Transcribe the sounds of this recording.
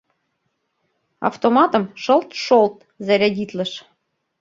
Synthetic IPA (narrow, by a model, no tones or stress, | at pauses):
ɑ̰ft̪omɑt̪ə̆mʃɤlˠt̪ʃolt̪ | zæɾʲædʲit̪lə̆ʃ